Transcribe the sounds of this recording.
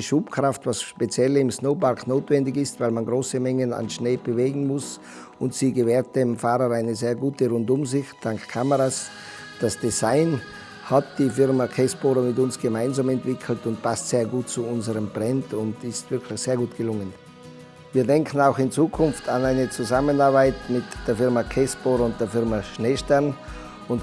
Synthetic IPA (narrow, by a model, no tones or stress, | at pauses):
ʃuːpkʁ̥aftvasʃpet͡sjɛlɪmsnoʊbaʁknoːtvɛndɪçɪstvaɪlmanɡʁoːsəmɛŋəna̰nʃneːb̥əveːɡŋ̩mʊs | ʊntsiːɡəvɛːɐt̚demfaːʁəʁaɪnəzeːɐɡuːtəʁʊndʊmzɪçd̥aŋkkʰaməʁas | d̥asd̥ezaɪn | hat̚d̥iːfɪʁmakʰɛsb̥oːɾɐmɪtʊnsɡ̥əmaɪnzamɛntv̥ɪkʰl̩tʊntpʰastseːɐɡuːt̚t͡suʊnzəʁəmb̥ʁɛntʊndɪstv̥ɪɐkʰlɪçseːɐɡuːtɡ̥əlʊŋən | viːɐdɛŋkʰn̩aʊxɪnt͡suːkʰʊnftʰanaɪnət͡suzamənaɐbaɪtmɪtd̥eːɐfɪʁmakʰɛsb̥oɾʊnt̚d̥eːɐfɪɐmaʃneːʃtɛʁn | ʊnt